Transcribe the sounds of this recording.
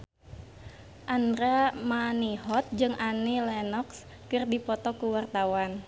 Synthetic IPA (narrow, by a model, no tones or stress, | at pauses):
ʔandɾamaniɦɔt̪̚d͡ʒɨŋʔanilɛnɔks | kɨrdipɔt̪ɔkuwart̪awan